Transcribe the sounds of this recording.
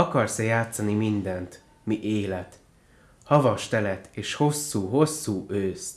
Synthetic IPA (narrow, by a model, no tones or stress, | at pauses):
ɒkɒrsɛjaːt̪sɒnimind̪ɛnt̪ | miʔeːlɛt̪ | hɒvɒʃt̪ɛlɛt̪eːʃho̞sːuːɦo̞sːuːʔøːst̪